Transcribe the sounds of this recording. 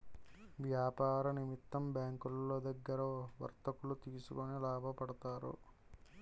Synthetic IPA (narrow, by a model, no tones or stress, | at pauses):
ʋjaːpaːɾɐnimit̪ːɐmbjaːŋkulːo̞ːd̪ɐɡːɐɾɐʋɐ̰ɾt̪ɐkulut̪iːsukunilaːbʱɐpɐɽɐt̪aːɾṵ